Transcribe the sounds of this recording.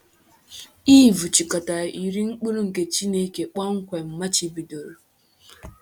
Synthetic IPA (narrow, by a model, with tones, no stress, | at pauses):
iː˦˨vu˨t͡ʃi˨ka˨ta˨i˨ɾi˦ŋ͡m̩˦k͡pu˦ɾu˦ŋ̩˨ke˨t͡ʃi˦ne˦ke˨k͡pa˦ŋ̩˦kʷe˨m̩˨ma˦t͡ʃi˦bi˨do˨ɾo˨